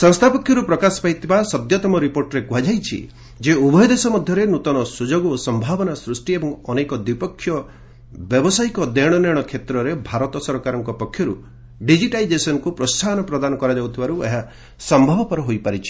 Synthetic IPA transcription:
sɔŋst̪ʰapɔkʰːjɔɾupɾɔkasɔ̥paɦijt̪ʰibasɔd̪jɔt̪ɔmɔɾipoɾʈɔɾekuɦad͡ʒajt͡ʃʰḭ | d͡ʒeubɔjɔd̪esɔmɔd̪ʱjɔɾenut̪ɔnɔsud͡ʒoɡosɔmbʱabɔnasɾusʈiebɔŋɔnekɔd̪wipɔkʰːjɔ | bjɔbɔsajkɔd̪eɽ̃ɔneɽ̃ɔkʰet̪ɾɔɾebʱaɾɔt̪ɔsɔɾkaɾɔŋkɔpɔkʰːjɔɾṵ | ɖid͡ʒiʈajd͡ʒesɔnɔkupɾɔsʰanɔpɾɔd̪anɔkɔɾad͡ʒawt̪ʰibaɾuḛɦa | sɔmbʱɔbɔpɔɾɔɦojpaɾit͡ʃʰi̥

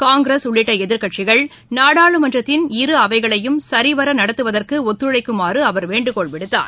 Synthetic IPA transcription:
kaːŋɡɾesʊɭːɪʈːɐɛðɪɾkɐʈt͡ʃɪɣɐɭ | naːɽaːɭɯmɐnd͡ʒrɐt̪ːɪnɪɾɯɐʋɐɪɣɐɭɐjɯmsɐɾiʋɐɾɐnɐɽɐt̪ːɯʋɐðɐrkɯɔt̪ːɯɻɭɐɪkːɯmaːrɯɐʋɐɾʋeːɳɖɯkɔɭʋɪɽɯt̪ːa̰ːɾ

